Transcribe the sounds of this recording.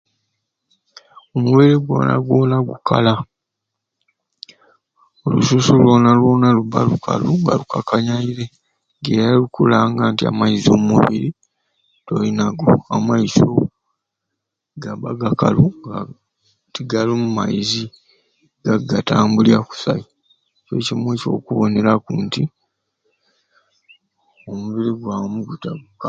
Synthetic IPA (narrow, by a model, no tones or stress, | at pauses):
omuβeɾeɡwo̰ːna̰ɡwo̞ːnaɡukʰa̰la | olṵsusulwo̞ːnalwo̞ːnaluβalukʰa̰luŋɡalukʰakʰaɲaiɾe̞ | ɡe̞ːɾalukulaŋɡaːntia̰maiziomuβḭɾi | to̞linaɡoamaiso̰ | ɡaβaɡakaluŋɡa | tiɡalumuma̰izi | ɡ̥aɡataːmbuljaku̥sa̰i | t͡ʃwe̞̰cimwiːt͡ʃo̞̰ːkuβo̞ne̞ɾakuːnti | omuβiɾiɡwamuɡutaɡk